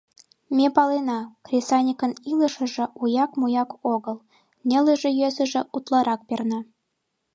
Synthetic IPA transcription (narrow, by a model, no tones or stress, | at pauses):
mʲepɑlenɑkrʲesɑnʲikənilə̆ʃə̆ʒĕujɑkmujɑkoɣə̆lˠ | nʲeləʒĕjøzə̆ʒĕʔut̪lˠɑɾʔɑk̚pʲernɑ